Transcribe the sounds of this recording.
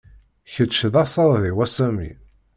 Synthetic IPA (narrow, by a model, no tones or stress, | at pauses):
çət͡ʃːəðɑsɑɾˤðiwæsæmḭ